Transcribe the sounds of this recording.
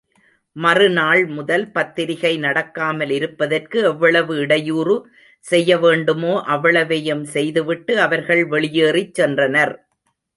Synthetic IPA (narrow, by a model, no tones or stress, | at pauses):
mɐrɯnaːɭmʊðɐlpɐt̪ːɪɾɪɣɐɪnɐɽɐkːaːmɐlɪɾɯpːɐðɐrkɯɛʋːɐɭɐʋɯɪɽɐjuːrɯ | sɛjːɐʋeːɳɖɯmoːʔɐʋːɐɭɐʋejɐmsɛjðɯʋɪʈːɯɐʋɐɾɣɐɭʋɛɭɪjeːrɪt͡ʃsɛndrɐnɐɾ